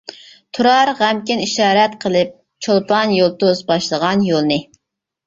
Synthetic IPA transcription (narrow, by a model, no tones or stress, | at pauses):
t̪ʰuɾɑɾʁæmkʲɪniʃɑːɾɛt̪qʰəlˠɨp̚ | t͡ʃʰolˠpɑnjolˠt̪ozbɑʃlˠəʁɑnjolˠnɨ